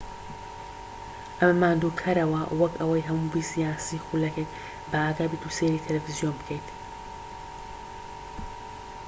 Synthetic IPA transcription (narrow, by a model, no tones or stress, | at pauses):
ʔɐmmaːnd̪uːkʰɐɾɐwɐwɐkʰɐwɐjɦɐmubisijaːsiːxulɐkʰejt̪ | bɐaːɡaːbiːt̪ʰuseɾit̪ʰɐlɐfizijonbɨkʰejt̪